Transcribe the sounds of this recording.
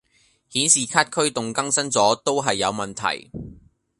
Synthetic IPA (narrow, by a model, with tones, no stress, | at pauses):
hiː˨˥nsiː˨kʰaː˥t̚kʰɵ˥ɥt̪ʊ˨ŋkɐ˥ŋsɐ˥nt͡sɔː˨˥t̪o˥wɦɐ˨jːɐ˨˧wmɐ˨nt̪ʰɐ̰˨˩j